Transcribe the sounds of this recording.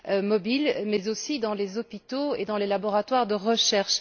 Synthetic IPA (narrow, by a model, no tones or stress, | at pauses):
ømɔbilmɛzosid̪ɑ̃lezɔpit̪oed̪ɑ̃lelabɔʁat̪waʁd̪əʁəʃɛʁʃ